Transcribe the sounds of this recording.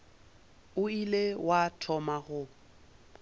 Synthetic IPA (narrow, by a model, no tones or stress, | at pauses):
ʊilewatʰɔmaɣʊ